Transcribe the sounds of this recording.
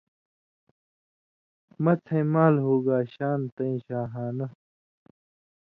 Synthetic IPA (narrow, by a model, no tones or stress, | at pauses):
mɐt̪ʰẽːmaːlɦoːɡaːɕaːnt̪ɐĩɕaːɦaːnɐ